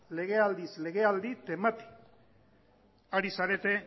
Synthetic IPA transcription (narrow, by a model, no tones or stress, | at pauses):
le̞ɣ̞e̞ald̪isle̞ɣe̞ald̪it̪emat̪i̥ | aɾisaɾe̞t̪e̞